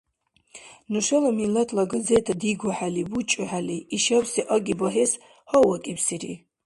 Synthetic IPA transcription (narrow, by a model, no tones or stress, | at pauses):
nuʂɛlamilatʰlaɡad͡zetʰadiɡʷaħaliwut͡ʃʼɨħaliːʃapsiʔaɡʲibaɦes | hɔwakʼipʰsirḭ